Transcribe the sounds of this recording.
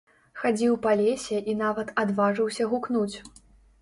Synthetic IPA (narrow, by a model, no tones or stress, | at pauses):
xad͡zʲiwpalʲesʲɛʔin̪avɐt̪ad̪vaʐɨwsʲɐɣuknut͡sʲ